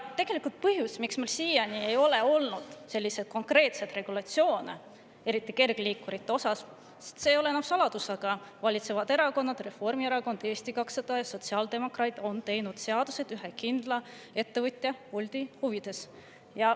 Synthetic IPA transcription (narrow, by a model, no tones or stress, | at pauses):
t̪e̞ɡ̥e̞likːult̪̚pɤhɦjusmiksmelsiːjɑnʲie̞jo̞le̞o̞lnud̪̥se̞lʲːised̪̥̚ko̞ŋkre̞ːt̪se̞d̪re̞ɡ̥ulɑt̪sio̞ːne | e̞ɾit̪ːˑike̞rɡ̥liːkːˑuɾit̪ːeo̞sɑs | si̥t̪sejo̞leenɑmsɑlɑd̪usɑɡ̥ɑvɑlʲit̪se̞vɑd̪e̞ɾɑko̞nːɑd̪̥re̞fo̞rmie̞ɾɑko̞nd̪̥e̞ːst̪ikɑksɑd̪̥ɑjɑso̞t̪siɑld̪e̞mo̞krɑjt̪ˑo̞nt̪e̞jnud̪̥se̞ɑd̪̥use̞d̪̥yɦekind̪̥lɑ | e̞t̪ːe̞vɤt̪ʲːˑjɑulʲd̪̥ihuvid̪̥e̞s | jɑ